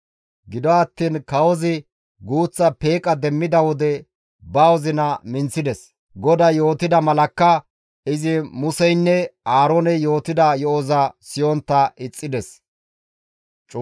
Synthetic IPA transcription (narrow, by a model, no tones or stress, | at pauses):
ɡɪd̪ɔɐt̪ːiːnkɐwɔzɪ | ɡuːt͡sːɐpeːkʼɐd̪ɛmːɪd̪ɐwɔd̪ɛ | bɐwɔzɪnɐmɪnsɪd̪ɛs | ɡɔd̪ɐjo̞ːt̪ɪd̪ɐmɐlɐkːɐ | ɪzɪmʊsɛjnːɛaːɾonɛjo̞ːt̪ɪd̪ɐjɔʔɔzɐsɪjɔnt̪ːɐʔɪt͡sʼːɪd̪ɛs | t͡ʃʼ